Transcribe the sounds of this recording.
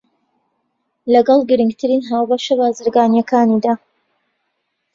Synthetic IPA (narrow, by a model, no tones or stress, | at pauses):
lɐɡɑlˠɡɨɾɨŋɡt̪ʰɨɾinɦaːwbɐʃɐbaːzɨɾɡaːnjɐkʰaːnid̪aː